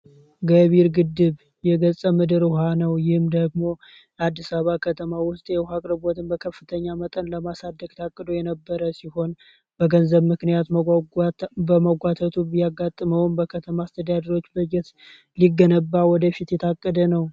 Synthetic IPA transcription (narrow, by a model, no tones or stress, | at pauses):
ɡəβiɾɡɨd̪ːɨβ | jɛɡəsʼəmɨd̪ɨɾhanəwjɪhɨmd̪əɡmo̞ | ad̪ːisaβakʰət̪ʰəmawʊst̪ʼjɛhakʼɾɨbot̪ʰɨnbəkʰəfːɨt̪ʰəɲːamət̪ʼənləmasad̪ːəɡt̪ʰakʼːəd̪ojɛnəbːəɾəsiho̞n | bəɡənzəβmɨknijat̪ | bəməɡʷat̪ʰət̪ʰubijaɡːat̪ʼːɨməwnbəkʰət̪ʰəmaːst̪ʰəd̪ad̪əɾo̞t͡ʃːbəd͡ʒɛt̪ | liɡːənəbːawɔd̪əfit̪jɛt̪ʰakʼːəd̪ənəw